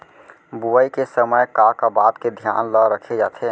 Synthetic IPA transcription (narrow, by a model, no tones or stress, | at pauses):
buaikesəməjkakabaːd̪ked̪ʱja̰ːnləɾəkʰed͡ʒaːt̪ʰe